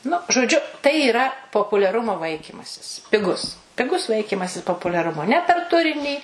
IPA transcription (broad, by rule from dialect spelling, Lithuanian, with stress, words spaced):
nʊ ʒoːˈd͡ʒʲʊ tɐɪ iːˈrɐ poːpʊlʲɛˈrʊmoː ˈʋɐɪkʲiːmɐsʲɪs pʲɪˈɡʊs pʲɪˈɡʊs ˈʋɐɪkʲiːmɐsʲɪs poːpʊlʲɛˈrʊmoː nʲɛ pʲɛr ˈtʊrʲɪnʲiː